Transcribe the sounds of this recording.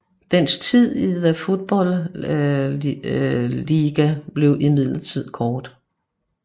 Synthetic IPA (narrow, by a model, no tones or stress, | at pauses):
d̥enst͡sʰið̰ˠiðæfo̝d̥̚b̥ɒ̽l | liɡ̥æb̥le̝ʊʔimið̰ˠlɐt͡sʰið̞̰ˠkʰɒːd̥